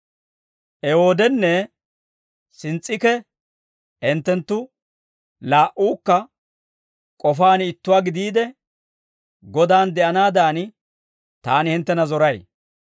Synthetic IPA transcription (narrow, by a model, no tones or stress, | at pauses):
ʔɛho̞ːd̪ɛnːɛ | sɪnt͡sʼːɪkɛ | ɛnt̪ːɛnt̪ːʊ | laːʔuːkːɐ | kʼɔfaːnɪt̪ːʊwaːɡɪd̪iːd̪ɛ | ɡɔd̪aːnd̪ɛʔɐnaːd̪aːnɪ | t̪aːnɪhɪnt̪ːɛnɐzɔɾɐj